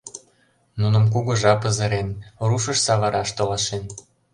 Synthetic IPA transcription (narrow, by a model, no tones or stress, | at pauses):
nunə̆mk̬uɣoʒɑpə̆zə̆ɾenruʃə̆ʃsɑβɑɾɑʃt̪olɑʃen